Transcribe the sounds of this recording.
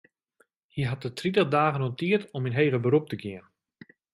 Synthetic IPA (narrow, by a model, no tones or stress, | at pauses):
hiɦat̚ətʰritədaːɣənotiətɔminɦeːɣəbəɾup̚təɡɪən